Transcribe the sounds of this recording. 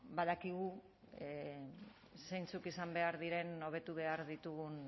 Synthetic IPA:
baðakiɣ̞u | sejnt͡sukisambe̞aɾðiɾe̞no̞β̞e̞t̪uβe̞aɾðit̪uɣun

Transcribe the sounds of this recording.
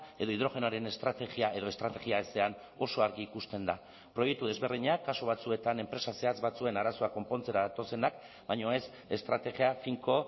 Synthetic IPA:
e̞ðo̞iðɾo̞ɣe̞noaɾe̞ne̞st̪ɾat̪e̞ɣiae̞ðo̞e̞st̪ɾat̪e̞ɣiaese̞an | o̞so̞aɾɣiːkust̪e̞nd̪a | pɾo̞jekt̪uð̞e̞zβe̞rðiɲakːaso̞β̞at͡sue̞t̪ane̞mpɾe̞sase̞at͡sβat͡sue̞naɾaso̞ako̞mpo̞nt͡se̞ɾaðat̪o̞se̞nak | bajɲo̞e̞s | e̞st̪ɾat̪e̞ɣiafiŋko̞

